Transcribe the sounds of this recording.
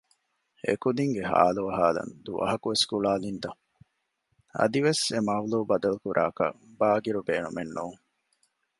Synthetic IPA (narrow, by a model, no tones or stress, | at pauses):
ḛkud̪iŋɡeɦa̰ːluɐɦaːlɐ̰nd̪uʔɐ̰ɦɐkuʋeskuɭaːlint̪ɐ | ɐ̰d̪iʋesemɐʋluːbɐd̪ɐlukuɾʔa̰ːkɐ̰baːɡiɾubeːnumenːuːŋ